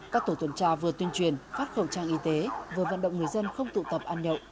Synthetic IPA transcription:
kaː˦˥k̚t̪o˧˩t̪wə˨˦nt͡ɕaː˧vɨ˨˩ət̪wi˧ənt͡ɕwi˨˩ənfaː˦˥t̚xə˧˩wt͡ɕaː˧ŋʔi˧t̪e˨˦vɨ˨˩əvə̰˧˨nɗə̰˧˨wŋ͡mŋɨ˨˩əjzə˧nxə˧wŋ͡mt̪ṵ˧˨t̪ə˨˩p̚ʔaː˧nɲə̰˧˨wʔ

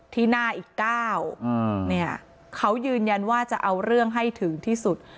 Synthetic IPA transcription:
t̪ʰiː˥˩naː˥˩ʔiː˨˩kːaː˥˩wni˥˩ɐ | kʰa˦˥wjɯː˧nja˧nwaː˥˩t͡ɕa˨˩ʔa˧wɾɯ˥˩əŋɦa˥˩jt̪ʰɯ˩˦ŋt̪ʰiː˥˩su˨˩t̪̚

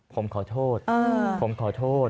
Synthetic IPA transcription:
pʰo˩˦mkʰɔː˨˩t̪ʰoː˥˩t̪̚əː˧pʰo˩˦mkʰɔː˨˩˦t̪ʰoː˥˩t̪̚

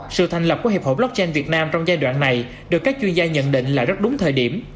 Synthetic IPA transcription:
sɨ̰˧˨t̪ʰa˨˩ŋlə˨˩p̚ku˧˩˦he˨˩ho˧˩lɔ˦˥k̚t͡ɕɛ˧nvi˨˩ət̚naː˧mt͡ɕɔ˧wŋ͡mzaː˧jɗwa̰ː˧˨nːa˨˩j | ɗɨ˨˩əkːaː˦˥k̚t͡ɕwi˧ənzaː˧ɲə̰˧˨nɗḭ˧˨ŋ̟laː˨˩zə˦˥t̚ɗʊ˨˦ŋ͡mt̪ʰəː˨˩jɗi˧˩əm

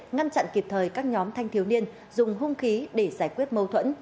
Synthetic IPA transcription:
ŋa˧nt͡ɕa̰˧˨nki˨˩p̚t̪ʰəː˨˩jkaː˦˥k̚ɲɔ˨˦mt̪ʰa˧jŋ̟t̪ʰi˨˦wni˧ən | zʊ˨˩ŋ͡mɦʊ˧ŋ͡mxi˨˦ɗe˧˩zaː˧˩jkwi˦˥ət̚mə˧wt̪ʰwə̰˧˥n

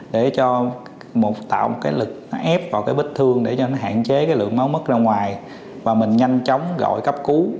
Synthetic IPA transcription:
ɗe˧˩t͡ɕɔ˧ | mo˨˩t̚t̪a̰ː˧˨wmo˨˩t̚kaː˨˦jlɨ˨˩k̚nɔ˨˦ʔɛ˦˥p̚vaː˨˩kaː˨˦jɓï˦˥t̟̚t̪ʰɨ˧əŋɗe˧˩t͡ɕɔ˧nɔ˨˦ɦa̰ː˧˨nt͡ɕe˨˦kaː˨˦jlɨ̰˨˩ək̚ma˨˦wmə˦˥t̚zaː˧ŋwaː˨˩j | vaː˨˩mï˨˩ŋ̟ɲa˧jŋt͡ɕɔ˨˦wŋ͡mɣɔ̰˧˨jkə˦˥p̚ku˨˦

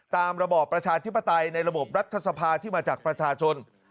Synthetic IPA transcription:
t̪aː˧mɾa˧bɔː˨˩pːɾa˧t͡ɕʰaː˧t̪ʰi˦˥pːa˧t̪a˧jna˧jɾa˧bo˨˩p̚ɾa˦˥t̪ʰːa˧sa˧pʰaː˧t̪ʰiː˥˩maː˧t͡ɕaː˨˩k̚pɾa˧t͡ɕʰaː˧t͡ɕʰo˧n

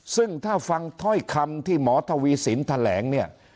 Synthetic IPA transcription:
sɯ˥˩ŋt̪ʰaː˥˩fa˧ŋt̪ʰɔ˥˩jkʰa˧mt̪ʰiː˥˩mɔː˩˦t̪ʰa˧wiː˧siː˩˦nt̪ʰa˧lɛ̰ː˩˦ŋni˥˩ɐ

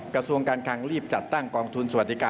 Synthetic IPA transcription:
kɾa˧su˧əŋkaː˧nkʰaː˧ŋɾiː˥˩p̚t͡ɕa˨˩t̪ːa˥˩ŋkɔː˧ŋt̪ʰu˧nswa˨˩t̪̚ːi˦˧kaː˧

